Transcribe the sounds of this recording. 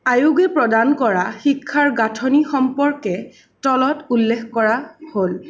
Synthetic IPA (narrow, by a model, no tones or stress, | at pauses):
ajuɡɛpɹɔdankɔɹaxikʰːaɹɡatʰɔnixɔmpɔɹkɛ | tɔlɔtulːexkɔɹahol